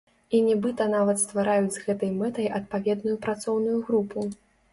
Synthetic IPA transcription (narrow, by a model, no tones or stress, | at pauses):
inʲɛbɨt̪ɐnavɐt̪st̪vaɾajud͡zʲzɣɛt̪ɐjmɛt̪ɐjʔɐt̪̚pavʲɛd̪nujupɾat̪sɔwnujuɣɾupʰu